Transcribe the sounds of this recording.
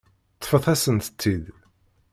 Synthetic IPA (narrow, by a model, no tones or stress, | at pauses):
t̪ːˤə̥fəθæsənt̪ət͡s̪ːið